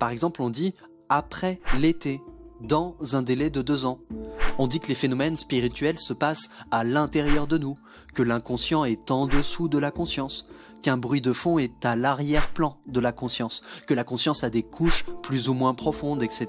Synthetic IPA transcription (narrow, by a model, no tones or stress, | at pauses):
paʁɛɡzɑ̃plɔ̃d̪i | apχɛlet̪ed̪ɑ̃zɛ̃d̪elɛd̪əd̪øzɑ̃ɔ̃d̪ikəlefenɔmɛnspiʁit̪ɥɛlsəpasalɛ̃t̪eʁjœʁd̪ənu | kəlɛ̃kɔ̃sjɑ̃ɛt̪ɑ̃d̪əsud̪əlakɔ̃sjɑ̃s | kɛ̃bʁɥid̪əfɔ̃ɛt̪alaʁjɛʁplɑ̃d̪əlakɔ̃sjɑ̃skəlakɔ̃sjɑ̃sad̪ekʰuʃplyzumwɛ̃pχɔfɔ̃d̪ɛkset̪